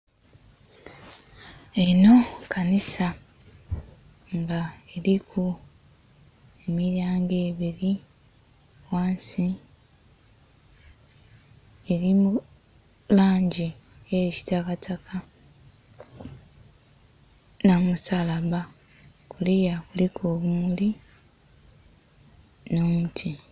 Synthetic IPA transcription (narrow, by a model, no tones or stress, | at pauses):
e̞no̞kʰanisa | ŋɡaeɾikʰu | e̞miɾjaːŋɡe̞ːβiɾi | waːnsi | eɾimu | laːɲɟieci̥takatʰakʰa | namusalaβa | kulijakulikoːβumuli | nomutʰi